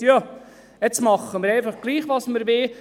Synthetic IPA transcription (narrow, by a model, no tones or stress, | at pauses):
jɑ | ɛt͡smɑχːəməɾɛɪfɑχɡ̥liːχʋɑsməɾʋe